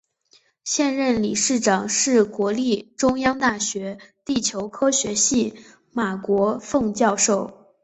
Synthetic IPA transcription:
ɕjɛ˥˧nɻə˥˩nli˨˩ʂɻ̩˥˩ʈ͡ʂɑ˨˩ŋʂɻ̩˥˩kwɔ˧˥li˥˩ʈ͡ʂʊ˥ŋjɑ˥ŋt̪a˥˩ɕɥɛ˧˥t̪i˥˩t͡ɕʰjo˧˥ʊkʰɤ˥ɕɥɛ˧˥ɕi˥˩ | ma˨˩kwɔ˧˥fɤ˥˧ŋt͡ɕjɑ˥˧ʊʂo˥˩ʊ

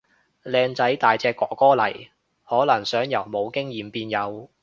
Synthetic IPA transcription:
lɛː˧ŋt͡sɐ˨˥jt̪aː˨jt͡sɛː˧kːɔː˨kɔː˥lɐ̰˨˩j | hɔː˨˥lɐ˨˩ŋsœː˨˥ŋjɐ˨˩wmo˨˧wkɪ˥ŋjiː˨mpiː˧njɐ˨˧w

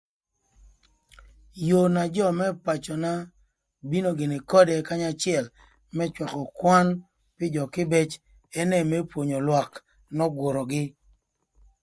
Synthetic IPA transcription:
jo˨na˨d͡ʒɔ˦˨mɛ˦pa˨t͡ʃɔ˨na˦ | bi˦no˦ɡe˨ne˨kɔ˦dɛ˨ka˦ɲa˦t͡ʃɪ˦ɛ˨l | mɛ˦t͡ʃwa˨kɔ˨kwa˦n | pɪ˦d͡ʒɔ˨kɪ˦bɛ˦t͡ʃ | ɛ˦nɛ˨mɛ˦pwo˨ɲo˨lwa˨k | nɔ˦ɡwo˨ɾɔ˨ɡɪ˦

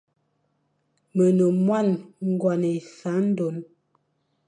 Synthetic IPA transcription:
mə˨no˨mwa˦˨nŋ˦ɡwa˨ne˨sa˨˦n̩˦do˨˦n

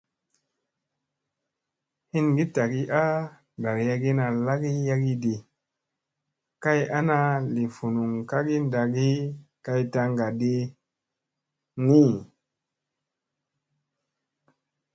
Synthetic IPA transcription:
hi˦nɡi˦ta˨ɡi˦ʔa˦ | da˨ɾja˧ɡi˦na˨la˦ɡi˦ja˦ɡi˦di˨ | ka˦ja˦na˧li˨fu˨nu˨ŋka˦ɡi˦nda˨ɡi˦ka˧jta˧ŋɡa˨di˧ | ni˦

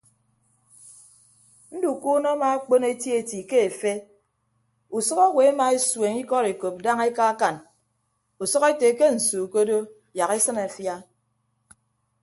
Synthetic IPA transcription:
n̩˦du˨ku˦nɔ˦ma˨a˦k͡po˦ne˦tje˦e˨ti˨ke˦e˨fe˦ | u˨sɔ˦ɣɔ˦we˨a˦ma˨e˦swe˨ŋi˦kɔ˦ɾe˨ko˨p̚da˦ŋe˦ka˦ka˨n | u˨sɔ˦ɣe˦te˨ke˦n̩˨su˨ko˦do˦ | ja˨ɣe˦sɨ˦na˨fja˦

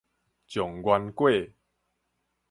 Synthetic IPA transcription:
t͡ɕjɔ˨˩ŋɡwa˧nkwe˥˨

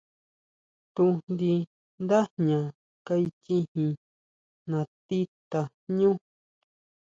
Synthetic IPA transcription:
t̪u˧nd̪i˧ | nd̪a˦ɲã˨ | ka˦˧i˧t͡ʃĩ˦hĩ˧ | nã˧t̪i˦t̪a˧ | ɲũ˦

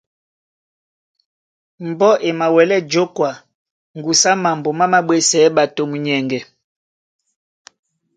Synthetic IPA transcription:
m˨bɔ˦ʔe˨ma˨wɛ˨lɛ˦d͡ʒo˦kwa˨ | ŋɡu˨sa˦ma˨mbo˨ma˦ma˦ɓwɛ˦sɛ˨˦ɓa˨to˨mu˨ɲɛ˨ŋɡɛ˨

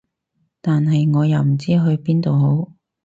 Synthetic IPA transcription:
t̪aː˨nɦɐ˨jŋɔː˨˧jɐ˨wm̩˨˩t͡siː˥ɦɵ˧ɥpiː˥nt̪o˨wɦo˨˥w

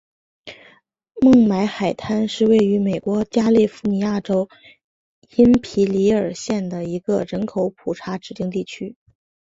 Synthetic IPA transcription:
mɤ˥˩ŋma˧˥ɪxa˨˩ɪt̪ʰa˥nʂɻ̩˥˧we˥˩ɪy˧˥me˨˩ɪkwɔ˧˥t͡ɕja˥li˥˩fu˥˩ni˨˧˩ja˥˩ʈ͡ʂo˥ʊ | i˥npʰi˧˥li˧˥ə˞˨˩ɕjɛ˥˩nd̪ə˩i˧˥ɡə˧ɻə˧˥nkʰo˧˥ʊpʰu˨˩ʈ͡ʂʰa˧˥ʈ͡ʂɻ̩˨˩t̪i˥˧ŋt̪i˥˩t͡ɕʰy˥

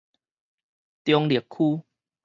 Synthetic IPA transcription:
t̪jɔ˧ŋli˨˩əkʰuː˦

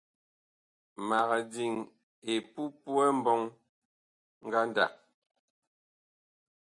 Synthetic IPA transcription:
ma˨ɣa˨di˨ŋ | e˨pu˦pwɛ˦m̩˦bɔ˦ŋ | ŋ̩˦ɡa˦n˦da̰˨k̚

